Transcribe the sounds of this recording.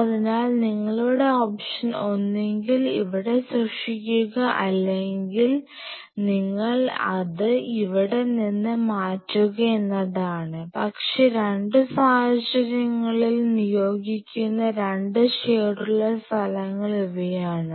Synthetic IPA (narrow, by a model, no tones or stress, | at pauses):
ɐðinaːlniŋːɐɭoːɽe̞oːpʂɐno̞nːe̞ŋɡiliʋiɽe̞srɐkʂikʲːuɣɐʔɐlːe̞ŋɡil | niŋːɐɭɐ̰ðɨiʋiɽe̞ninːɨmaːtːuɣɐenːɐðaːɳɨpɐkʂe̞ɾe̞ɳɖɨsaːhɐt͡ɕːɐɾɐŋːɐɭilnijo̞ːɡikʲːunːɐɾe̞ɳɖɨɕeːruɭːɐst̪ʰɐlɐŋːɐɭuʋɐjaːɳɨ